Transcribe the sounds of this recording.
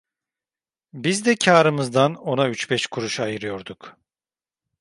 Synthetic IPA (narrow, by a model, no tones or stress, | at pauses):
bizd̪ɛcʰaːɾɯmɯzd̪ano̞nayt͡ʃbɛʃkʰuɾuʃajɯɾɯjo̞ɾd̪uk